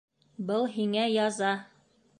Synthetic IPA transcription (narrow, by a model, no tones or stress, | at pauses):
bɤlˠɦiŋæjɑzɑ